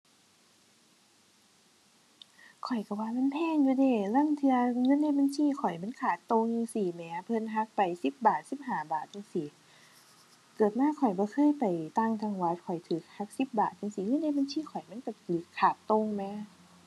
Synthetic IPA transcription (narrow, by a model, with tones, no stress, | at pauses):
kʰɔ˨˩jka˧˩waː˧ma˧˥˨npʰɛː˧˥˨ŋjuː˧deː˧˩lɤː˧˥˨mt̪ʰɯ˧ɐŋɤ˧˥˨nːa˧˩˨jba˧˨nsʰiː˧˥˨kʰɔ˨˩jma˧˥˨nkʰaː˨˩t̪ːo˧ŋja˧ŋsiː˨˩mɛː˨˦pʰɤ˧˨nɦa˧˥k̚pa˨˩jsi˧˦p̚baː˨˩t̪̚si˧˦p̚haː˨˩baː˨˩t̪̚ʰːa˧ŋsiː˨˦ | kɤː˨˩t̪̚maː˧˥˨kʰɔ˨˩jbɔː˧˦kʰɤː˧˥˨jpa˨˩jt̪a˧˩˨ŋt̪ʰa˧ŋwa˧˥t̪̚kʰɔ˨˩jt̪ʰɯː˨˦k̚ha˧˥k̚si˧˦p̚baː˨˩t̪̚ːa˧ŋsi˧˦ŋɤː˧˥˨nda˧˥˨ba˧nsʰiː˧˥˨kʰɔ˨˩jma˧˥˨nka˧˩lɯ˧˦kkʰːaː˨˩t̪ːo˧ŋmɛː˧˦